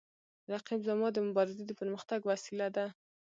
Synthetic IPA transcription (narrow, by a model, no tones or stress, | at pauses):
ɾaqibzamɑd̪əmʊbɑɾɪzed̪əpəɾməxt̪aɡwasilad̪a